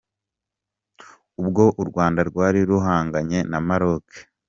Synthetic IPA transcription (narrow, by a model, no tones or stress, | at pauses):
ubɡo̞ʔuɾɡwaːndaɾɡwaːɾiɾuɦaːŋɡaɲe̞namaɾoke̥